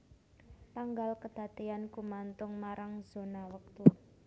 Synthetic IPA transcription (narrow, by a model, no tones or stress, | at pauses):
t̪aŋɡalkəd̪̥ä̤t̪eankumant̪ʊŋmaɾaŋz̥o̤nawək̚t̪u